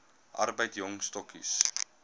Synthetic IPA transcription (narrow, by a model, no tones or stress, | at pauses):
ʔɐ̰rbəjtjɔŋstɔkis